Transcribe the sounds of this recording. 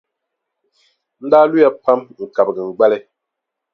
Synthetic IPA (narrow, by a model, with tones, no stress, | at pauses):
n̩˦daː˦lu˦a˦pa˦mŋ̩˨ka˨p̚ɡə˨ŋ̩˨ɡ͡ba˦lɛ˦